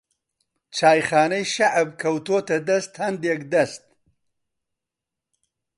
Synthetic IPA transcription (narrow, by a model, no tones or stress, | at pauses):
t͡ʃɑːjχɑːnɐjʃaʕab̚kʰɐwt̪ot̪ɐd̪ɐst̪hɐnd̪jekd̪ɐst̪̚